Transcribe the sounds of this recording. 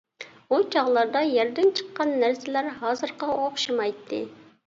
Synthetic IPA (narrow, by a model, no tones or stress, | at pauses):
ut͡ʃʰɑʁlˠɑɾd̪ɑjæɾd̪ɛnt͡ʃʰə̥qːɑnːæɾsɪlæɾɦɑːzɨɾqɑoqʃimɑjt̪ʰːɨ̰